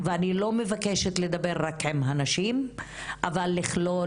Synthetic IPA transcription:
veanilo̞mevakeʃet̪le̞d̪abeʁːakhemɦanaʃim | ʔavalːiχlo̞

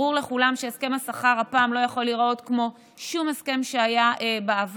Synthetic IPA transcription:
uʁle̞χulamʃeeske̞masaχaʁhapaːmlo̞jaχo̞lːiʁo̞tkmo̞ | ʃumeske̞mʃeajaebaav

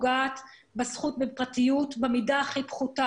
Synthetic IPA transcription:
ɡaːt | besχut̚bepʁatijutbemidaːχipχuta

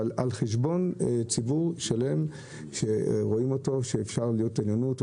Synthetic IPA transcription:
lalχeʃ̬bo̞nt͡sibuʁʃale̞m | ʃe̞ʁo̞imo̞to̞ʃeːfʃaʁlijo̞tenjonut

